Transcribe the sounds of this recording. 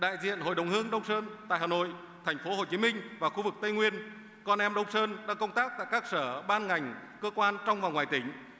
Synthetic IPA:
ɗa̰ː˧˨jzḭ˧˨ənɦo̰˧˨jɗə˨˩wŋ͡mhɨ˧əŋɗə˧wŋ͡msəː˧nt̪a̰ː˧˨jhaː˨˩no̰˧˨j | t̪ʰɛ˨˩jŋ̟fo˨˦ho˨˩t͡ɕi˨˦mï˧ŋ̟vaː˨˩xu˧vɨ˨˩k̚t̪ə˧jŋwi˧ən | kɔ˧nʔɛ˧mɗə˧wŋ͡msəː˧nɗa̰ː˧kə˧wŋ͡mt̪aː˦˥k̚t̪a̰ː˧˨jkaː˦˥k̚səː˧˩ɓaː˧nŋa˨˩jŋ̟kəː˧kwaː˧nt͡ɕɔ˧wŋ͡mvaː˨˩ŋwaː˨˩jt̪ï˨˩˦ŋ̟

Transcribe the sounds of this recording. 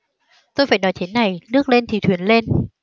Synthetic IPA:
t̪o˧jfaː˧˩jnɔ˨˦jt͡ɕe˨˦nːa˨˩jnɨ˦˥ək̚le˧nt̪ʰi˨˩t̪wi˨˦ənle˧n

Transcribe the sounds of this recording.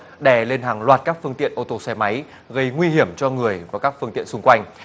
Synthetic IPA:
ɗɛ˧˩le˧nɦaː˨˩ŋlwaː˨˩t̚kaː˦˥k̚fɨ˧əŋt̪ḭ˧˨ənʔo˧t̪o˧sɛ˧ma˨˦j | ɣə˧jŋwi˧ɦi˧˩əmt͡ɕɔ˧ŋɨ˨˩əjvaː˨˩kaː˦˥k̚fɨ˧əŋt̪ḭ˧˨ənsʊ˧ŋ͡mkwa˧jŋ̟

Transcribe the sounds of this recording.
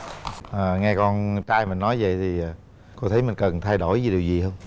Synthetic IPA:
ʔəː˨˩ŋɛ˧kɔ˧nt͡ɕaː˧jmï˨˩ŋnɔ˨˦jvə̰˧˨jt̪ʰiː˨˩˨ | ko˧t̪ʰə˨˦jmï˨˩ŋ̟kə˨˩nt̪ʰa˧jɗo̰˧˩jvi˨˦ɗi˨˩əwzi˨˩ɦəː˧wŋ͡m

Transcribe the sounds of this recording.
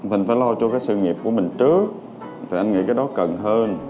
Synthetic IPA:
mï̟˨˩faː˧˩jlɔ˧t͡ɕɔ˧kaː˨˦jsɨ̰˧˨ŋi˨˩əp̚ku˧˩əmï˨˩ŋ̟t͡ɕɨ˦˥ək̚ | t̪ʰi˨˩ʔa˧ŋḭ˧˩kaː˨˦jɗɔ˨˦kə˨˩nɦəː˧n

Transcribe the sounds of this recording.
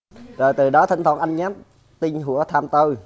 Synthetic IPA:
zəː˨˩jt̪ɨ˨˩ɗɔ˨˦t̪ʰŋʰə˨˩nʔa˧jŋɲaː˨˦˥m | t̪i˧ŋ̟ɦu˧˩˦ət̪ʰaː˧mt̪o˧j

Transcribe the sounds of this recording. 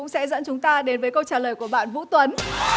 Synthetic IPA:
ʊ̰˧˥ŋ͡msɛ̰˧˥zə̰˧˥nt͡ɕʊ˨˦ŋ͡mt̪aː˧ɗe˨˦nvəː˨˦jkə˧wt͡ɕaː˨˩ləː˨˩jku˧˩əɓa̰ː˧˨nvṵ˧˥t̪wə˨˦n

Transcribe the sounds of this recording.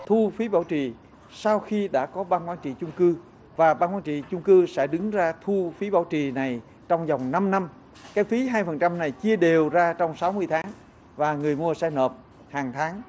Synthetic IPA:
t̪ʰu˧fi˨˦ɓaː˧˩wt͡ɕḭ˨ | sa˧wxi˧ɗa̰ː˧˥kɔ˨˦ɓaː˧nkwaː˧nt͡ɕḭ˧˨t͡ɕʊ˧ŋ͡mkɨ˧ | vaː˨˩ɓaː˧nkwaː˧nt͡ɕḭ˧˨t͡ɕʊ˧ŋ͡mkɨ˧sɛ̰˧˥ɗɨ˨˦ŋzaː˧t̪ʰu˧fi˨˦ɓa̰ː˧˩wt͡ɕḭ˨˩na˨˩j | t͡ɕɔ˧wŋ͡mza˨˩wŋ͡mna˧mna˧m | kaː˨˦˥k̚t̪ʰi˨˦ɦaː˧jfə˨˩nt͡ɕa˧mna˨˩jt͡ɕi˧əɗe˨˩wzaː˧t͡ɕɔ˧wŋ͡msa˨˦wmɨ˧əjt̪ʰaː˨˦ŋ | vaː˨˩ŋɨ˨˩əjmu˧əsɛː˧jnəː˨˩p̚ | haː˨˩ŋt̪ʰaː˨˦ŋ

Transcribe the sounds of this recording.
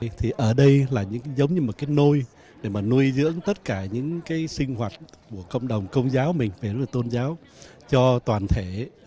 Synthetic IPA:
t̪ʰi˨˩ʔəː˧˩ɗə˧jlaː˨˩ɲɨ̰˧˥ŋzə˨˦wŋ͡mɲɨ˧mo˨˩kaː˨˦jno˧j | ɗe˧˩maː˨˩nu˧əjzɨ̰˧˥əŋt̪ə˦˥t̚kaː˧˩ɲɨ̰˧˥ŋkaː˨˦jsï˧ŋ̟hwaː˨˩t̚ku˧˩əkə̰˧˨wŋ͡mɗə˨˩wŋ͡mkə˧wŋ͡mzaː˨˦wmï˨˩ŋ̟ve˨˩ɾə˦˥laː˨˩t̪o˧nzaː˨˦w | t͡ɕɔ˧t̪waː˨˩nt̪ʰe˧˩

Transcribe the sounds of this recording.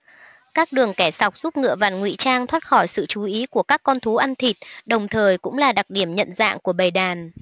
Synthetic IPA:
kaː˦˥k̚ɗɨ˨˩əŋkɛ˧˩sa˨˩wk͡p̚zu˦˥p̚ŋɨ̰˧˨əva˨˩nŋwḭ˧˨t͡ɕaː˧ŋt̪ʰwaː˦˥t̚xɔ˧˩jsɨ̰˧˨t͡ɕu˨˦ʔi˨˦ku˧˩əkaː˦˥kːɔ˧nt̪ʰu˨˦ʔa˧nt̪ʰi˨˩t̚ɗə˨˩wŋ͡mt̪ʰəː˨˩jkʊ̰˧˥ŋ͡mlaː˨˩ɗa˨˩k̚ɗi˧˩əmɲə̰˧˨nza̰ː˧˨ŋku˧˩əɓə˨˩jɗaː˨˩n

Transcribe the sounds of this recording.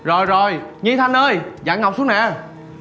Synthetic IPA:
zo˨˩jzo˨˩jɲi˧t̪ʰa˧nʔəː˧jza̰ː˧˩˥ŋɦa˨˩wk͡p̚su˦˥ənɛ̰ː˧˨

